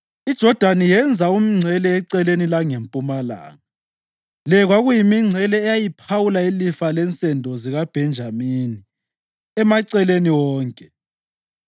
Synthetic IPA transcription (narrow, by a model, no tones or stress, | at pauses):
id̥ʒ̥ʱɔd̥ʱanijɛnd͡zʱaumiŋ͡ǀʱɛlɛːǀɛlenilaŋempʼumala̰ːŋa | lɛɣwaɣujimiŋ͡ǀʱɛlɛːjajipʰawulailifalɛnt͡sʼɛndʱɔziɣab̥ʱɛnd͡ʒʱamini | ɛmaǀɛleniwɔːŋkʼɛ